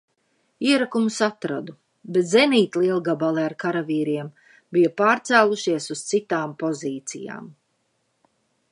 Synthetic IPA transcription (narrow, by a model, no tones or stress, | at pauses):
iɛɾakumusat̪ɾad̪u | bet̪zɛniːt̪lˠiɛlˠɡabalˠɛaɾkaɾaviːɾiɛm | bijapaːɾt̪sæːlˠuʃiɛsust̪sit̪aːmpɔziːt̪sija̰ːm